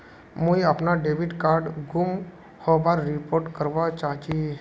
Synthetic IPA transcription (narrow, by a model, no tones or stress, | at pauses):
mũiəpnaɖeʋiʈkaːɾɖɡum | hobaɾɾipoːɾʈkəɾʋat͡ʃaːɦt͡ʃi